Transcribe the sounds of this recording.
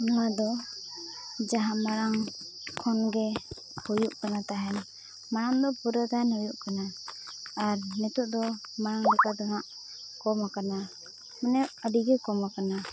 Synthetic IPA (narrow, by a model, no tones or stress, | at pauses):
nɔwad̪ɔ | d͡ʒaɦamaɾaŋ | kʰɔnɡɛ | hujuʔkanat̪aɦɛn | maɽaŋd̪ɔpuɾət̪aɦɛnhujuʔkanaː | ɾnɛt̪uʔd̪ɔmaɾaŋlɛkad̪ɔŋaʔ | kɔmakana | manɛəɖiɡɛkɔmakana